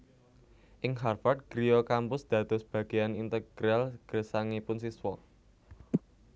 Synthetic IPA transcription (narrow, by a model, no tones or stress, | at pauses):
ʔɪŋɦarfart̪̚ɡ̥ɾiɔkampʊsd̪̥ä̤d̪̥ɔ̤sb̥ä̤ɡ̥i̤anint̪əɡ̥ɾɛlɡ̥əsaŋipʊnsiswɔ